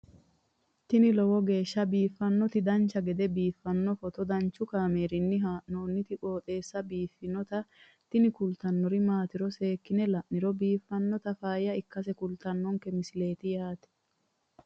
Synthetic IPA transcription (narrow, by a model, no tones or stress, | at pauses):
t̪ɪnɪlɔwɔɡe̞ːʃːɐbiːfːɐnːɔt̪ɪd̪ɐnt͡ʃːɐɡɛd̪ɛbiːfːɐnːɔfɔt̪ɔd̪ɐnt͡ʃːʊkaːmeːɾɪnːɪɦaːʔnoːnːɪt̪ɪkʼo̞ːt̪ʼe̞ːsːɐbiːfːɪnɔt̪ɐ | t̪ɪnɪkʊlt̪ɐnːɔɾɪmaːt̪ɪɾɔse̞ːkːɪnɛlɐʔnɪɾɔbiːfːɐnːɔt̪ɐfaːjɐɪkːɐs̬ɛkʊlt̪ɐnːɔŋkɛmɪsɪle̞ːt̪ɪjaːt̪ɛ̥